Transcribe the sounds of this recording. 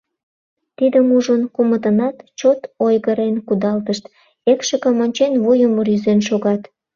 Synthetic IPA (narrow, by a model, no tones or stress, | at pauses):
t̪id̪əmuʒənkumət̪ənɑt̪t͡ɕot̪ojɣəɾenkud̪ɑlt̪əʃt̪ | ekʃəkəmonʲt͡ɕenvujəmɾyzenʃoɣɑt̪